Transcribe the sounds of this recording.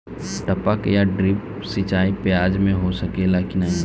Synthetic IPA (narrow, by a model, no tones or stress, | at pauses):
ʈɐpəkjaɖɾɪp̚ | sit͡ʃaːipjaːd͡ʒmẽɦosɐkelakinaɦĩ